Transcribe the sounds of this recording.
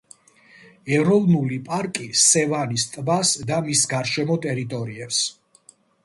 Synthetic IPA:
ɛɾɔvnulipʼaɾkʼisɛvanist̪ʼvasd̪amisɡaɾʃɛmɔt̪ʼɛɾit̪ʼɔɾiɛps

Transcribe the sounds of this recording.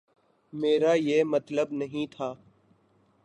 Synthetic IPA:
meːɾaːjeːmət̪ləbnəɦĩːt̪ʰaː

